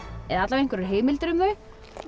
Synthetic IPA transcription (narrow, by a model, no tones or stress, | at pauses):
ɛðat̪lavejŋ̥kvɛɾʏɾɦeːjmɪlt̪ɾʏmʏ